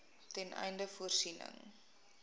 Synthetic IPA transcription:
tɛnʔɛ̰jndəfuərsinə̰ŋ

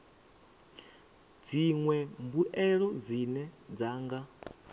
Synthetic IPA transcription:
d͡ziŋwɛmbuʔɛɺɔd͡zinɛd͡zaːŋɡa

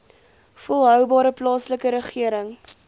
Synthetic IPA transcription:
fɔlˠɦœwbɑːɾəplɑːsləkəɾəχiəɾəŋ

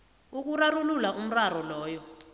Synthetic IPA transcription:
uk̬urarululaʔum̩rarɔlɔːjɔ

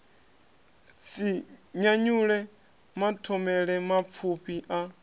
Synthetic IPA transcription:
siɲaɲuɺɛ | matʰɔmɛɺɛmap̪fʰupʰiʔa

